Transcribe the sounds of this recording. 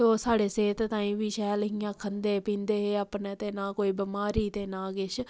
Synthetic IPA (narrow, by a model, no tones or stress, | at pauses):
oːsaːɽeːseːt̪t̪ãːĩːʋiːʃɛːlɦiːãːkʰənd̪eːpĩːnd̪eːɦeːəpneːt̪eːnãːkoːiːbəmaːɾiːt̪eːnãːɡɪʃ